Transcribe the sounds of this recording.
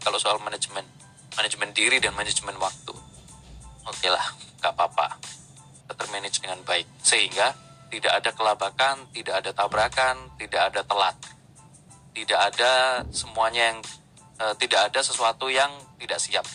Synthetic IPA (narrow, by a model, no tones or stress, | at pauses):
kalosoalmanad͡ʒmɛn | manad͡ʒmɛndiɾidanmanɪd͡ʒmɛnwak̚t̪ṵ | okela̰hɡaʔpapa̰ | at̪ərmenɛt͡ʃdəŋanbaɪk̚səɦiŋɡa | t̪idaʔadakəlabakant̪idaʔːdat̪abɾakant̪idaʔːdat̪əla̰t̪̚ː | idaʔːdasəmuaɲajaŋ | əːt̪idaʔːdasəsuat̪ujaŋt̪idaʔsiap̚